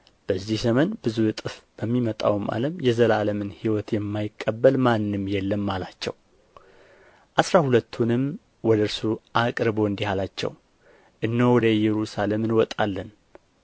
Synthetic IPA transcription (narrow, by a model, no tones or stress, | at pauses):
b̥əzːihzəmənbɨzujɨt̪ʼɨfb̥əmːimət̪ʼa̰wmʔa̰ləmjɛzəlaləmɨnhiwɔt̪jɛmːajɪkʼːəbːəlmanːɨmjɛlːəmːalat͡ʃːɛ̰w | ʔasɾahulət̪ʰːunɨm | wɔd̪əɨɾsuʔakʼɾɨbo̞ɨnd̪ihalat͡ʃːɛ̰w | ʔɨnːowɔd̪əjɛɾusale̞mɨnwɔt̪ʼalːən